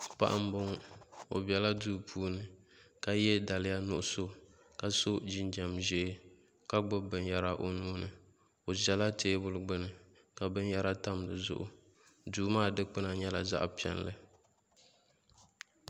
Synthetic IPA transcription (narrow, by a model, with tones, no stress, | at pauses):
pa̰˦ʔa˦m˦bʊ˦ŋo̰˨bi˨ɛ˨la˦duː˦pʰuː˦nɨ˨ | ka˦jɛ˦da˨lɪ˦ja˦nʊ˦ʔʊ˦so˦ | ka˨so˦d͡ʒi˦nd͡ʒa˨mʒɛ˦ | ka˦ɡ͡bʊ˦bɨ˨nja˦ɾa˦ʔo˦nuː˦nɨ˨ | o˨zɛ˨la˦tʰeː˦bʊ˦lɡ͡bɨ˦nɨ˨ | ka˨bɨ˦n˦ja˦ɾa˦ta˦m˨lɨ˨zʊ̰˦ʔʊ̰˦ | duː˦maː˦˨dɨ˦k͡pɨ˦na˨ɲɛ˦la˨za̰˦ʔpi˨ɛ̰˨nlɨ̰˦